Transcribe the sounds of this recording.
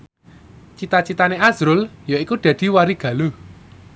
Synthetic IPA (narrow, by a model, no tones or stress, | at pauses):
t͡ʃit̪at͡ʃit̪aneaz̥ɾʊljɔikud̪̥ä̤d̪̥i̤waɾiɡ̥ä̤lu